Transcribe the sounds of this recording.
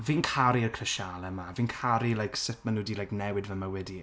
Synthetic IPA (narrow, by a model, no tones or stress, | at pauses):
viːnkʰaɾiərkʰrəʃalˠəmaviːnkʰaɾilˠajksɪtmanʊdilajknɛwɨdvəmawɛdi